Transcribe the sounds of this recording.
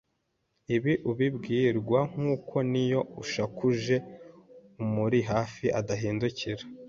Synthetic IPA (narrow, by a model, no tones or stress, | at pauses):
iβiʔuβibɡiːɾɡwaŋ̥uːkʰo̞nijo̞uʃakuʒe̞ | umuɾiɦaːfiʔadaɦiːnduciɾa